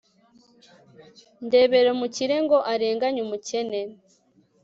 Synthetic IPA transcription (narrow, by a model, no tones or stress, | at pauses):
nde̞ːβe̞ɾomuciɾeŋɡo̞ʔaɾeːŋɡaɲumuce̞ne